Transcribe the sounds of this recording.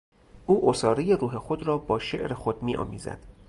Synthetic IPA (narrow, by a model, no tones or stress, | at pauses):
ʔuːʔosɒːɾejeɾuːɦe̞xod̪ɾɒːbɒːʃe̞ʔɾexod̪miːʔɒ̰ːmḭːzæ̰d̪̥